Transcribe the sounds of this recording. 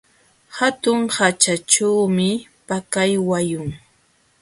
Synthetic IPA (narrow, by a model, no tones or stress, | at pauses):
hat̪ʊŋhat͡ʃat͡ʃawmɪpakajwajʊŋ